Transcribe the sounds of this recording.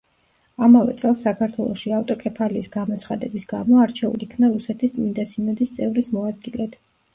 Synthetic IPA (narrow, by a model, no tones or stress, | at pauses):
amavɛ̰t̪sʼɛlˠsːakʰaɾt̪ʰwɛlˠɔʃiaft̪ʼɔkʼɛpʰaliːsɡamɔt̪sʰχad̪ɛbisɡamɔaɾt͡ʃʰɛṵlikʰvnaɾusɛt̪ʰist̪sʼmind̪asinɔd̪ist̪sʼɛvɾismɔad̪ɡilɛt̪